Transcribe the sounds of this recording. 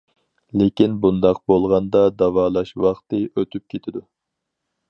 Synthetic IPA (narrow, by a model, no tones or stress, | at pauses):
lekʲinbund̪ɑq̚bolˠʁɑnd̪ɑd̪ɑwɑːlˠɑʃwɑχt̪ɨʔøt̪ʰyp̚kʲʰet̪ʰɪd̪u